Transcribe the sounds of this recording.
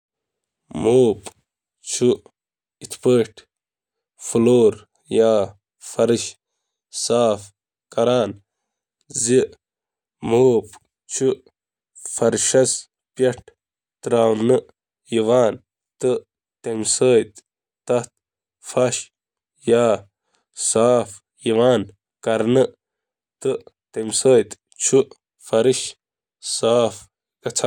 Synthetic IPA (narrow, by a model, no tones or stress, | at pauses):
moːp | t͡ɕʰu | it̪ʰpəʈʰ | fuloːɾ | jaː | fɐɾiɕ | saːf | kɐɾaːn | zi | moːp | t͡ɕʰu | fɐɾɕɐs | pjɐʈ̚ | t̪ɾaːwnɨ | jiwaːn | t̪ɨ | t̪emsəːjt̪ | t̪ɐt̪̚ | fɐɕ | jaː | saːf | iʋaːn | kɐɾnɨ | t̪ɨt̪emsəːjt̪ | t͡ʃʰu | fɐɾiɕ | saːf | kɐt͡sʰ